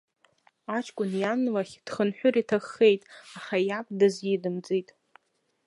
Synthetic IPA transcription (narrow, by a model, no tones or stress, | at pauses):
at͡ʃʰkʷʼʊnjanlaχʲd̥χənħʷᶣʊritʰaχːejtʼaχajapʼdazidɨmd͡zʼitʼ